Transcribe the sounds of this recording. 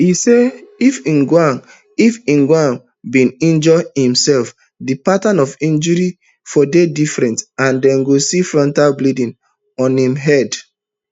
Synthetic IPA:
iseifĩnɡwãn | ifĩnɡwãn | bĩnĩnd͡ʒɔhĩmsɛlf | dipatãnɔfĩnd͡ʒɔɹi | fɔdedifɹɛ̃ntãndɛ̃nɡosifɹɔ̃ntalblidĩn | ɔ̃nhĩmɦɛd

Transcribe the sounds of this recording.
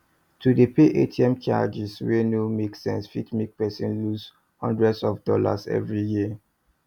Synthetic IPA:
tʰudəpeʔetʰiɛ̃mt͡ʃa̰d͡ʒisɹenumeksɛ̃nsfitmik̚pɛsĩnlus | hɔ̰̃ndɹɛdsɔfdɔla̰sɛ̰vɹijiə

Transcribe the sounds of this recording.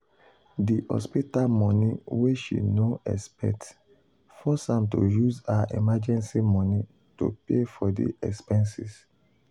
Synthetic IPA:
diʔɔ̰spitalmɔ̃niweʃḭnoɛ̰spɛ̰t | fɔsãmtojuzaʔimad͡ʒɛ̃nsimɔ̃ni | to̰pefɔdḭʔɛkspɛ̃nsis

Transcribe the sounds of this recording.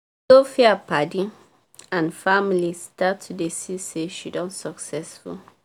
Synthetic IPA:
sofɛapadĩ | ãnfamilistatʰːudesiseʃidɔ̃nsɔksɛsfṵl

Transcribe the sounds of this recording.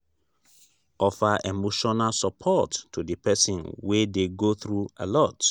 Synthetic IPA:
ʔɔfaʔemoʃɔnalsɔpʰɔtːʰudɨpʰɛsĩnwedeɡoθɹua̰lɔt

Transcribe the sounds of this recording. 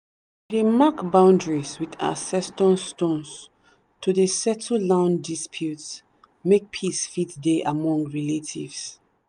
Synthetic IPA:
demakbãʊ̃ndɹiswida̰sɛstɔ̃nstõns | tʰudesɛtʰəlãʊ̃ndispʰjuts | mek̚pʰisfitdeʔamɔ̃ŋɡɹiletʰḭvs

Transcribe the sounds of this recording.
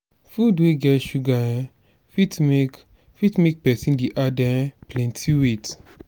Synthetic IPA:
fudweɡɛʃuɡaɛ̃ | fitme | fitmek̚pɛsĩndiʔadɛɛ̃plɛ̃ntʰiwet

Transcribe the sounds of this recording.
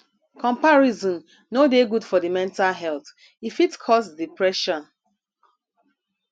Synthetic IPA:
kʰɔ̃mpaɹizɔ̃n | nodeɡudfɔdimɛ̃ntalɦɛlθ | ifitkʰɔsdipɹɛʃɔ̃n

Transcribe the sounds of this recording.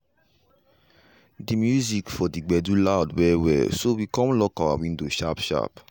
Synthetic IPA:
dimjuzikfɔdiɡ͡bɛdulaʊdwɛwɛ̰sowikɔ̃mlɔkawawĩndoʃapʃa̰p

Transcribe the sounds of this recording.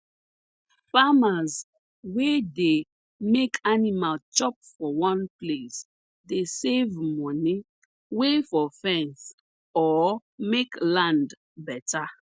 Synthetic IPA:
famaz | wede | mekʰanimalt͡ʃɔp̚fɔwɔ̃nples | desevmɔ̃ni | wefɔfɛ̃ns | ɔ | meklãnd | bɛtʰa

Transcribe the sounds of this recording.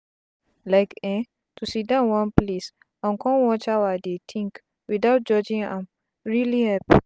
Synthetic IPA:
laɪkɛ̃ | tusidãwãnples | ãnkʰɔ̃nwɔ̃t͡ʃawadetʰĩŋk | widaʊt̚d͡ʒɔd͡ʒĩŋã̰m | ɹilihɛp

